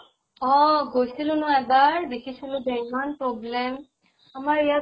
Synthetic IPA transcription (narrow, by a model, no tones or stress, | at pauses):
ɔ̃ɡojsilʊ̃nʊɛbaɹd̪ekʰisilʊ̃bɛɹimanpɹɔblɛm | amaɹija